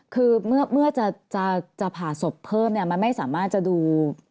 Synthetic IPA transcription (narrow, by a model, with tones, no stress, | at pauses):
kʰɯː˧mɯ˥˩ɐmɯ˥˩ɐt͡ɕa˨˩t͡ɕa˨˩t͡ɕa˨˩pʰaː˨˩so˨˩pʰːɤː˥˩mni˥˩ɐma˧nma˥˩jsaː˩˦maː˥˩t̪̚t͡ɕa˨˩duː˧